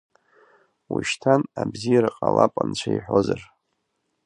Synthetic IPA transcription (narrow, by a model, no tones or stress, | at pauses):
wuʃtʰanabzijaɾaqʼalapʼant͡ɕʷʰaiħʷo̞zar